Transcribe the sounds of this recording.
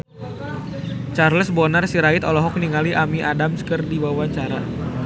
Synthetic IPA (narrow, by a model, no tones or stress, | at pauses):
t͡ʃarləsbɔnarsiɾaɪt̪ɔlɔɦɔk̚niŋaliʔamiʔadamskərdibawaɲt͡ʃaɾa